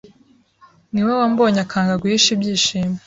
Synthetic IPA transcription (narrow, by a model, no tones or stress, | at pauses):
niwewambo̞ːɲakaːŋɡaɡwiiʃibjiːʃiːme